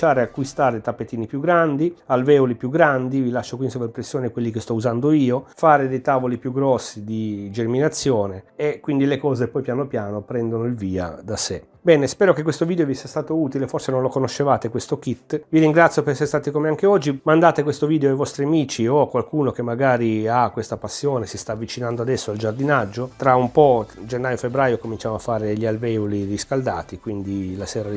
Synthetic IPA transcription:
ʃaːɾeakːwist̪aːɾet̪apːet̪ːiːnipjuɡːɾand̪ialvɛːolipjuɡɾand̪ivilaʃːokwindisoveimpɾesːjoːnekwelːikest̪ɔuzand̪oiːofaːɾed̪ejt̪aːvolipjuɡɾɔsːid̪id͡ʒerminat̪sːjɔːneekwind̪ilekɔːzepɔjpjaːnopjaːnopɾɛnd̪onoilviːa̰d̪asḛ | bɛːnespɛːɾokekwest̪oviːd̪eovisiast̪aːt̪ouːt̪ileforsenõnlokonoʃːevaːt̪ekwest̪okit̪ːviɾiŋɡɾat̪sjopeɾɛsːeɾest̪aːt̪ikomeaŋkeɔd͡ʒːimand̪aːt̪ekwest̪oviːd̪eoajvɔst̪ɾiamiːt͡ʃiokwalkuːnok̟emːaɡaːɾiakwest̪apasːjoːnesist̪aːvːit͡ʃinand̪oad̪ɛsːoald͡ʒard̪inad͡ʒːot̪ɾaumpɔd͡ʒenːaːjofebɾaːjokomint͡ʃaːmoafːaːɾed̪eʎːialvɛuliriskald̪a̰ːt̪ikwind̪ilasɛːɾa

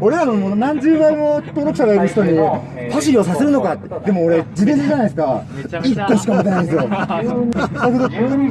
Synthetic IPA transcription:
o̞ɾe̞ɾanomonãɲ̟d͡ʑɨːbaimot̪oːɾokɯ̟̥saɾaiɾɯ̟çi̥t̪o̞ɲ̟i | haɕ̬io̞sase̞ɾɯ̟no̞kat̪ːd̪e̞moːɾe̞d͡ʑid̪ẽnd͡ʑanaiesɨ̥kaikːoɕi̥kamot̪̬ːenaĩd̪esɨjo | okɯd̪o

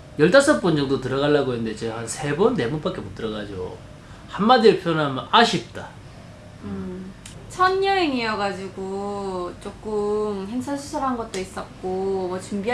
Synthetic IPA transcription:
jʌɭtas͈ʰʌp͈und͡ʑʌŋdotɯɾʌɣaɭːaɡoɦenɯnde̞t͡ɕehansʰe̞bʌnːe̞mup͈ak͈e̞mut͈ɯɾʌɡad͡ʑo̰ | hanmadieɭpʰjʌnamʌnaɕʰip̚t͈a | ɯ | t͡ɕʰʌnːʌɾeŋiʌɡad͡ʑiɡot͡ɕ͈ok͈ɯmheŋsʰʌnsʰusʰuɾɦanɡʌt̚t͈ois͈ʌt̚k͈omʌt͡ɕumbi

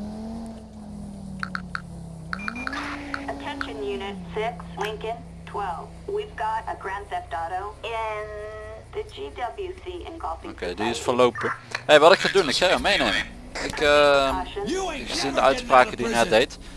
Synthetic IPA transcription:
ətʰɛ̃nʃɨ̃njʉnɪtsɪkslɪ̃ŋkɨ̃n | tʰw̥ɛlˠvwivɡɑɾəɡɹæ̃nsɛf̚d̥ɑɾoʊɪ̃nðɨd͡ʒidʌbljʉsiɨ̰̃nɡɔlˠfɪ̃okejdiɪsfəlowpəhejʋɑtɪkxadunɪksajəmejnejmə | ɪkʃɨ̃nɪkxzindəœɥtspraːkədinɛtdejt

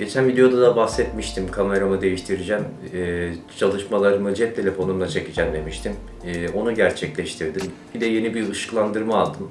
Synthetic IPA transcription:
ɟ̥e̞t͡ʃʰænvid̪eo̞d̪ad̪abahsɛt̪miʃt̪ʰimkʰame̞ɾamɯd̪e̞jiʃt̪ʰiɾid͡ʒɛmɛt͡ʃʰalˠɯʃmalˠaɾɯmɯd͡ʒiɛt̪ʰːe̞lʲe̞fo̞numlˠat͡ʃʰe̞cid͡ʒæmd̪e̞miʃt̪ʰim | ɛːo̞nuɟæɾt͡ʃʰɛclʲɛʃt̪ʰiɾd̪imbid̪ɛje̞nibiɯʃɯ̥klˠand̪ɯɾmaːlˠd̪ɯm

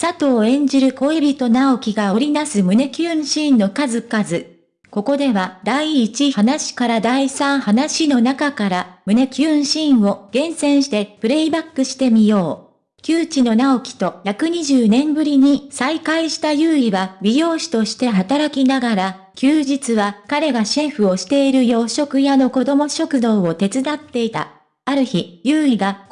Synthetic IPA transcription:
sat̪o̞ːẽ̞ɲ̟d͡ʑiɾɯ̟ko̞ebʲit̪o̞nao̞kʲiɡao̞ɾʲinasɨmɯ̟ne̞kʲɨ̃ːɰ̃ɕĩːnːo̞kazɨkazɨ | ko̞ko̞d̪e̞βad̪aiːt͡ɕihanaɕi̥kaɾad̪aisãɰ̃hanaɕino̞nakakaɾamɯ̟ne̞kʲɨ̃ːɰ̃ɕĩːɰ̃o̞ɡ̥ẽ̞ɰ̃sẽ̞ɰ̃ɕi̥t̪e̞pɯ̟ɾe̞ibakːɯ̟ɕi̥t̪e̞mʲijo̞ː | kʲɨːt͡ɕino̞nao̞kʲi̥t̪o̞çjakɯ̟ɲ̟iʑɨːnẽ̞mbɯ̟ɾʲiɲ̟isaikaiɕi̥t̪ajɯːiβabʲiɾʲo̞ːɕi̥t̪o̞ɕi̥t̪e̞ɦat̪aɾakʲinaɡaɾa | kʲɨːʑit͡sɨβakaɾe̞ɡaɕeɸɯ̟o̞ɕi̥t̪e̞iɾɯ̟jo̞ːɕo̞kɯ̟jano̞ko̞d̪o̞mo̞ɕo̞kɯ̟d̪o̞ːo̞t̪e̞t͡sɨd̪at̪ːe̞it̪a̰ | aɾɯ̟çijɯːiɡa

